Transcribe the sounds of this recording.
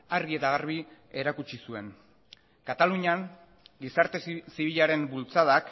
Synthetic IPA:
aɾɣie̞t̪aɣ̞aɾβ̞i | e̞ɾakut͡ʃisue̞n | kat̪aluɲaŋ | ɡisaɾt̪esiβiʎaɾe̞mbult͡saðak

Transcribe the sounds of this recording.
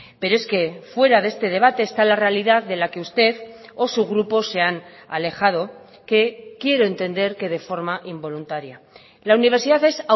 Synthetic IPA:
pe̞ɾoe̞ske̞fwe̞ɾaðe̞st̪e̞ð̞e̞β̞at̪e̞ːst̪alare̞aliðaððe̞lakeust̪e̞ðo̞suɣɾupo̞sːe̞ana̰le̞xað̞o̞ | ke̞kje̞ɾo̞e̞nt̪e̞nd̪e̞ɾke̞ðe̞fo̞ɾmaʔimbo̞lunt̪aɾja | launiβeɾsiðaθe̞sa

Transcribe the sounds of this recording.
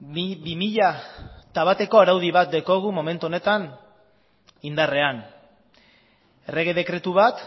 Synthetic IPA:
bimiʎat̪aβat̪e̞ko̞aɾawð̞iβat̪̚d̪eko̞ɣ̞umo̞me̞nt̪uone̞t̪an | ind̪are̞an | ere̞ɣ̞e̞ð̞e̞kɾe̞t̪uβat̪

